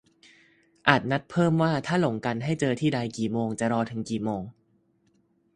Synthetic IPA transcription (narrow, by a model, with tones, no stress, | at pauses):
ʔaː˨˩t̪̚na˦˥t̪̚pʰɤː˥˩mwaː˥˩t̪ʰaː˥˩lo˩˦ŋka˧nɦa˥˩jt͡ɕɤː˧t̪ʰiː˥˩da˧jkiː˨˩moː˧ŋt͡ɕa˨˩ɾɔː˧t̪ʰɯ˩˦ŋkiː˨˩moː˧ŋ